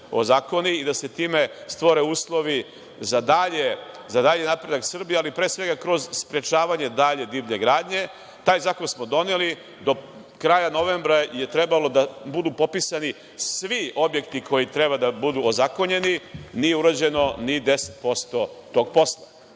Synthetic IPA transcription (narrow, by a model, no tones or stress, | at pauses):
o̞̰zaːko̞niid̪ase̞t̪iːme̞st̪ʋo̞ɾe̞uːslˠo̞ʋi | zad̪aʎe̞ | zad̪aʎenapɾe̞d̪aksr̩biealipɾesʋe̞ɡakɾo̞zspɾe̞t͡ʃaːʋaɲe̞d̪aʎe̞d̪iːʋɲe̞ɡɾaːd̪ɲe̞ | t̪aːjzaːko̞nsmo̞d̪o̞neli | d̪o̞ | kɾaːjano̞ʋe̞mbɾaje̞t̪ɾe̞balo̞d̪abud̪uːpo̞pisani | sʋio̞bje̞kt̪ikʰo̞jit̪ɾe̞bad̪abud̪uːozako̞ɲe̞ninijeuɾad͡ʑe̞no̞nid̪e̞set̪po̞st̪o̞t̪o̞ɡ̚po̞slˠa